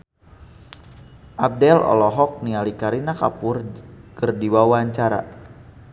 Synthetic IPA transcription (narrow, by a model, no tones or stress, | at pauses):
ʔab̚dɛlɔ̰lɔɦɔk̚nialikaɾinaka̰pʊrkərdiwawaɲt͡ʃaɾa̰